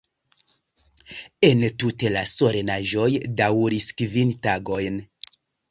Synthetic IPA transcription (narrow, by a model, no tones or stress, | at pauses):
entute̞laso̞ɾe̞naʒo̞jdawɾiskvintaɡo̞jn